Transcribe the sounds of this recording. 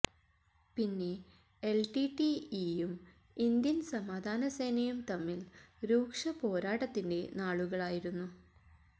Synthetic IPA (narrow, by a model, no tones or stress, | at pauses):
pinːe̞ | elʈiʈiijum | ind̪jɐnsɐmaːd̪ʱaːnɐsejnɐjumt̪ɐmːilɾuːkʂɐpo̞ːɾaːʈɐt̪ːinde̞naːɭuɣɐɭaːjiɾunːu